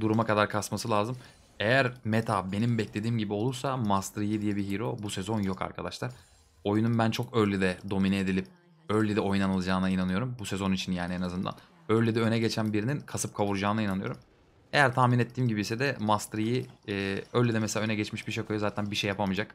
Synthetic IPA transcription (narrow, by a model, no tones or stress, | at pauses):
d̪uɾumakad̪aɾkʰasmasɯlʲˠaːzɯm | e̞jæɾmet̪ʰabe̞nimbɛclʲe̞d̪iːmɟibio̞lˠuɾsamast̪ɾijid̪ijɛbiɦiɾo̞busezo̞njo̞ka̰ɾkʰa̰d̪a̰ʃlˠaɾ̥ | o̞jununbænt͡ʃʰo̞kølʲːid̪ɛd̪o̞minɛed̪ilʲip̚ | ølʲːid̪ɛo̞junanɯlˠad͡ʒaːnainanɯjo̞ɾumbusezo̞nit͡ʃʰinjaːnienazɯnd̪a̰n | ølʲːyd̪ɛø̞nɛɟet͡ʃʰænbiɾininkʰasɯp̚kʰaβuɾd͡ʒaːnainanɯjoɾum | e̞jæɾt̪ʰaːminɛt̪ːiːmɟibisɛd̪ɛmast̪ɾiji | ølʲːɛd̪ɛmɛselʲaø̞nɛɟɛt͡ʃmiʃbiʃekʰojozaːt̪ʰænbiʃejːapʰamɯd͡ʒak